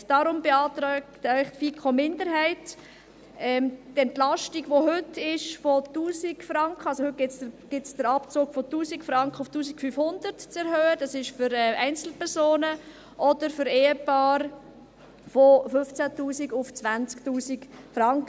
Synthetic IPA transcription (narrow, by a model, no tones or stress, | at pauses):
d̥ɑɾʊmbeɑːtɾɛktœʏχtfiːkʰχomɪndəɾɦɛɪt | ɛmtɛntlɑʃtiɡʋoɦʏtʰɪʃfɔtuːsikfɾɑŋkχəɑlsohɵt̚ɡ̥ɪtt͡səɡ̥ɪt͡sd̥əɾɑpt͡soːɡfɔtuːsikfɾɑŋkχəʊftuːsikfyfhʊndəɾtt͡sɛɾɦøːəd̥ɑsɪʃfʏɾɛɛɪnt͡sl̩pʰɛɾsoːnə | ʔɔd̥əɾfʏɾeːəpɑːɾ | fofɵft͡sætuːsiɡʊft͡sʋænt͡sktuːsikfɾɑŋkə